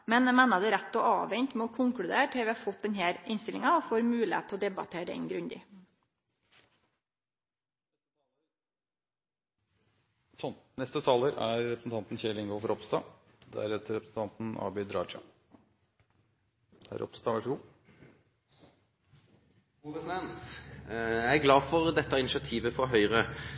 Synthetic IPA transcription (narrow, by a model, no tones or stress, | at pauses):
mɛnmænɑd̪ɛɾæt̪ːɔʔɑ̰ːʋɛɲt̪mɛɔkʰʊŋklʉd̪ḛːʈʰɪːʋiːhɑfɔt̪̚d̪ɛɲheːɾɪnst̪ɪlɪŋɑɔfoːɾmʉːlḛːt̪t̪ʰːɔd̪ɛbɑ̰t̪ʰeːɾɛ̰ŋɡɾʉɲd̪ɪ̰ | sɔnt̪nɛst̪ət̪ʰɑːləɾæɾːɛpɾəsn̩t̪ʰɑnt̪nçɛlɪŋɡɔlfɔɾɔpst̪ɑː | d̪ɛ̰æɾɛt̪əɾɛpɾəsn̩t̪ʰɑnt̪n̩ɑ̰bɪd̪ɾɑːt͡ʃɑ̰ | æ̰ɾʔɔ̰pst̪ɑʋæʂəɡuː | pɛsɪd̪ɛnt̪ | ɡlɑːfɔʁd̪ɛt̪ːɑɪnɪʃɪɑt̪ʰiːʋəfɔɦœʏʁə